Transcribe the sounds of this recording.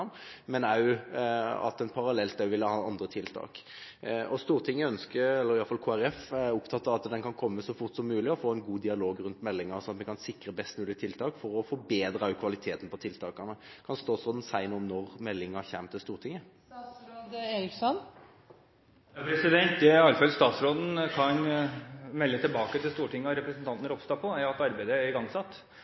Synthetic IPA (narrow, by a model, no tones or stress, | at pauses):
mmɛnæʊ | ɑ̰t̪ɛnpʰɑɾɑlɛlt̪æʋɪlːəhɑːɑnd̪ʁət̪ʰɪlt̪ʰɑ̰ːk | ɔst̪uːʁt̪ʰɪŋːəœnskəɾɛlːəɾɪɑlfɑlkʰoːæɾɛfʊpt̪ʰɑt̪ːɑɑt̪d̪ɛnkʰɑnkʰɔmːəsɔfʊʁt̪sɔmːʉːlɪɔfoːɛnɡuːd̪ɪɑloːɡɾʉnt̪mɛlːɪŋɑɾsɔɑt̪mɛkʰɑnsɪkːɾəbɛst̪mʉːlɪət̪ʰɪlt̪ʰɑːkfɔɾɔfɔɾbeːd̪ɾəœkʰʋɑlɪt̪ʰeːt̪n̩pɔt̪ʰɪlt̪ʰɑːkɑnəkʰɑnst̪ɑːt̪sɾoːd̪n̩sæɪnuːmnɔɾmɛlːɪŋɑçæmt̪ʰɪlst̪uːʁʈʰɪŋːə | ɾoːd̪eːɾɪksɔn | pʰɾɛsɪd̪ɛnt̪ɛɑlːfɑlst̪ɑːt̪sɾoːd̪n̩kʰɑn | mɛlːət̪ʰɪlbɑːkət̪ʰɪlst̪uːʈʰɪŋːəɑɾɛpɾəsnt̪ʰɑnt̪nəɾɔpst̪ɑːpʰɔæɾɑt̪ɑɾbæɪd̪əæɾɪɡɑŋsɑt̪ː